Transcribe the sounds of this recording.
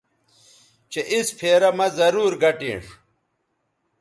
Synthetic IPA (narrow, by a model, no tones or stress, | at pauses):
t͡ɕeʔispʰeːɾɐmɐzɐɾuːɾɡɐʈḭ̃ːʂ